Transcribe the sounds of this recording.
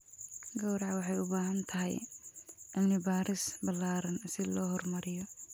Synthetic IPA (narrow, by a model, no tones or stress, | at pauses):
ɡɔwɾɑʕwɑħɑjʊbaːɦɐnt̪ʰɐɦɛ̰j | ʔɐmnɪbaːɾɪsbɐlːaːɾɐnsɪlɔːɦɔrmɐɾɪjɔ